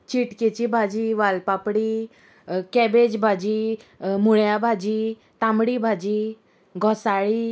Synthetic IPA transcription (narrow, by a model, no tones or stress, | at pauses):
t͡ɕiʈket͡ɕibʱad͡ʑiʋalpapɽiː | kɛbed͡ʑbʱad͡ʑimuɭjabʱad͡ʑi | t̪ãmɽibʱad͡ʑi | ɡʱɔsaɭiː